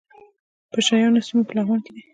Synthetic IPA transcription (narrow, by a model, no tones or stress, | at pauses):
pəʃajɑnosimopəlaɣwɑnked̪i